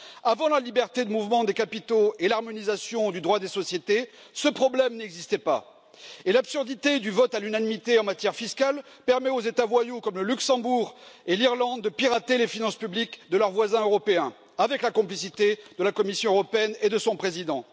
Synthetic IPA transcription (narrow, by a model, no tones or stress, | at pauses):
avɑ̃lalibɛʁt̪ed̪əmuvmɑ̃d̪ekapit̪oelaʁmɔnizasjɔ̃d̪yd̪ʁwad̪esɔsjet̪e | səpχɔblɛmnɛɡzist̪ɛpa̰ | elabsyʁd̪it̪ed̪yvɔt̪alynanimit̪eɑ̃mat̪jɛʁfiskal | pɛʁmɛozet̪avwajukɔmləlyksɑ̃buʁeliʁlɑ̃d̪dːəpiʁat̪elefinɑ̃spyblikd̪əlœʁvwazɛ̃øʁɔpeɛ̃ | avɛklakɔ̃plisit̪ed̪əlakɔmisjɔ̃øʁɔpeɛned̪əsɔ̃pχezid̪ɑ̃